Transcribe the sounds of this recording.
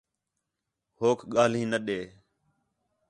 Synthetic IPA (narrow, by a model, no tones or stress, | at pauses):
hoːkʰɠaːl̤ĩːnəɗeː